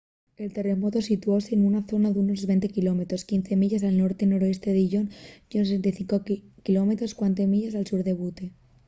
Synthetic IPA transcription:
e̞lt̪e̞re̞mo̞t̪o̞sit̪uo̞se̞ːnunaθo̞naðuno̞zβe̞nt̪e̞kilome̞t̪ɾo̞skinθemiʝas̬alno̞ɾt̪eno̞ɾoe̞st̪eðeʝo̞njonses̬ent̪ajθiŋkokilo̞me̞t̪ɾo̞skwant̪emiʝasalsuɾðe̞βut̪e

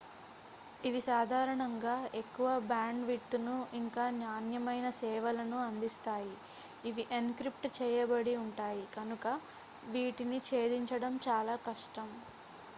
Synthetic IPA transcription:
iʋisaːd̪ʱaːɾɐɳɐŋɡaːe̞kːuʋɐbaːɳɖʋit̪ːunuiŋkaːnjaːnjɐmɐjnɐsɛːʋɐlɐnuɐnd̪ist̪aːjiː | ʋiʔenkɾip̚ʈt͡ʃɛːjɐbɐɽiuɳʈaːjikɐnukɐ | ʋiːʈinit͡ʃeːd̪iɲt͡ʃɐɽɐmt͡ʃaːlaːkɐʂʈɐm

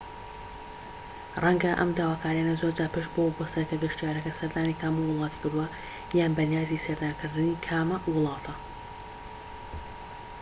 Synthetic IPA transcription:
rɐŋɡɐʔɐ̰md̪aːwaːkʰaːɾijaːnɐzoɾd͡ʒaːpɨʃbobost̪ɐkɐd̪ɐʃt̪ijaːɾɐkɐsɐɾd̪aːnikʰaːmuwʊlˠɑːt̪i̥kɨɾd̪uwɐ | jaːnbɐnijaːzisɐɾd̪aːnkɨɾd̪ɨnikʰaːmɐwʊlˠɑːt̪ʰɐ

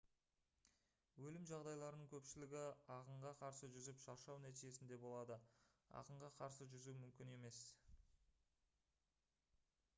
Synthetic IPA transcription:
wɵlɪmʒɑʁd̪ɑjlˠɑɾənəɴkʲʰɵpʃɪlɪɡʲɪɑqəɴʁɑqʰɑɾsəʒʏzɪpʃɑɾʃɑwnæt̪ijʒe̞sɪnd̪e̞bo̞lˠɑd̪əɑ̰qəɴʁɑqʰɑɾsəʒʏzumʏmkʲɪne̞me̞s

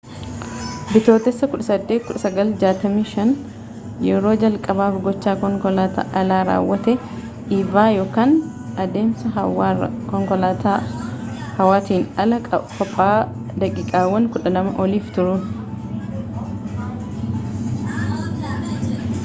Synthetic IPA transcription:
bɪt̪o̞ːt̪ɛsːɐkʊᶑɐsɐd̪ːeːt̪̚kʊᶑɐsɐɡɐld͡ʒaːt̪ɐmiːʃɐn | jɛɾo̞ːd͡ʒɐlkʼɐbaːfɡɔt͡ʃːaːat̪ːʔɐlaːɾa̰ːwːɐt̪ɛ | ivaːjo̞ːkaːn | ɐd̪e̞ːmsɐ | kɔŋkɔlat̪ː | hɐwaːt̪iːnɐlɐkɔpʼːaː | d̪ɐkʼɪkʼaːwːɐŋkʊᶑɐnɐmɐʔɔliːft̪ʊɾuːn

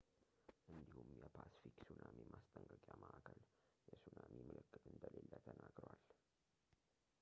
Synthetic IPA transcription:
ʔɨnd̪ihumjɛpʰasi̥fiksunamimʔast̪ʼəŋkʼəkʼjaməʔakʰəljɛsunamimɨlɨkːɨt̪ʼɨnd̪əlelːət̪ʰənaɡɾwal

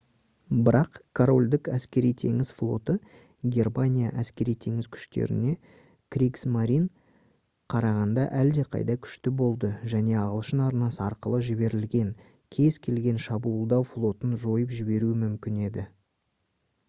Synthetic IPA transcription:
bɪɾɑqkʰoɾo̞lʲd̪ɪkæskʲe̞ɾijt̪ʰe̞̰ŋʲɪzflˠo̞̰t̪ə | ɡʲe̞rmanʲija̰ʔæskʲe̞ɾijt̪ʰe̞ŋɪzkʲʰʏ̥ʃt̪e̞̰ɾɪ̰ne̞ | krʲiksmaɾʲin | qʰɑɾɑʁɑnd̪ɑʔæld̪e̞qʰɑ̰jd̪ɑkʲʰʏ̥ʃt̪ɪbo̞lˠd̪əʒæne̞ɑʁəlˠəʃənɑɾnɑsəɑɾqəlˠəʒɪbe̞ɾɪlɡʲe̞ŋ | kʲʰe̞zkʲʰe̞lɡʲe̞nʃɑbuəlˠd̪ɑwflˠo̞t̪ənʒo̞jəpʒɪbe̞ɾuɪmʏmkʲɪne̞d̪ɪ

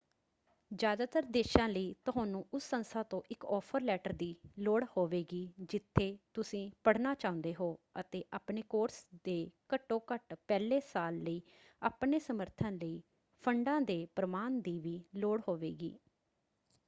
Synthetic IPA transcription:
d͡ʒjaːd̪aːt̪əɾd̪eːʃãːləiːt̪ʊɦaːnũːʔʊsːənst̪ʰaːt̪õːʔɪkɔːpʰəɾlɛːʈəɾd̪iːloːɽhoːʋeːɡiːd͡ʒɪt̪ʰːeːt̪ʊsĩːpəɽnaːt͡ʃaːʊ̃nd̪eːɦoːə̰t̪eːʔaːpneːkoːɾsd̪eːkəʈːõːkəʈpɛːleːsaːlːəiː | aːpneːsəməɾt̪ʰə̃nləiː | pʰəɳɖãːd̪eːpɾəmaːnd̪iːʋiːloːɽhoːʋḛːɡḭː

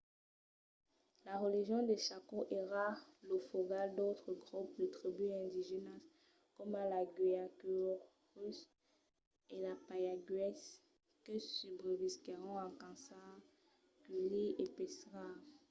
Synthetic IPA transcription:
laʁəliʒjɔ̃d̪eʃakoʔeʁalofoɡald̪ot̪χəɡʁuplət̪χibyɛ̃d̪iʒenas | kɔmalaɡɥiakyʁ | ʁys | elapajaɡɥɛs | kəsybʁəviskeʁɔ̃ãkɑ̃saʁ | kyliepesʁa

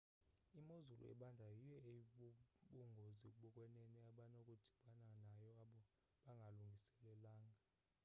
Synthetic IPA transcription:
imozulṵʔɛ̰ɓandʱajijɔeɓuɓuŋɡʱozik̬ʼuɓɔkʼwɛnɛnɛaɓanokʼud̥ʱi̥ɓananajɔaɓɔ | ɓaŋɡʱaluŋɡʱisɛlɛlaːŋɡʱa

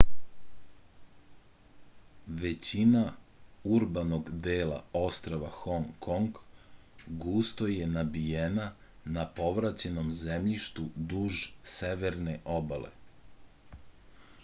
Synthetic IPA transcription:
ʋe̞t͡ɕinauɾbano̞ɡd̪eːla̰o̞st̪ɾoʋaxoŋkʰoŋɡ | ɡuːst̪o̞je̞nabijenanapo̞ʋɾat͡ɕe̞no̞mzemʎiʃt̪ud̪uːʒse̞ʋeɾneʔobalḛ

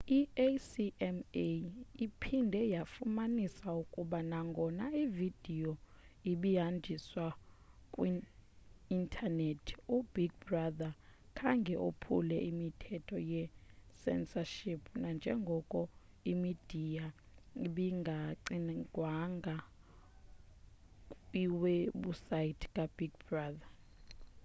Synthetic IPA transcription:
iesiɛmeipʰindʱɛjafumanisaukʼuɓanaŋɡʱɔnaivid̥ʱijɔ | iɓijand͡ʒʱiswakʼwiː | ntʰanetʰubiɡ̚braðakʼʰaŋɡʱɛʔo̰pʰṵlɛimitʰɛtʰɔjɛsɛ̰nsaʃipʰnand͡ʒʱɛŋɡʱɔkʼɔ | imid̥ʱija | iɓiŋɡʱaǀinɡʱwaŋɡʱa | iweɓusajitʰi̥kʼab̥iɡbraːða

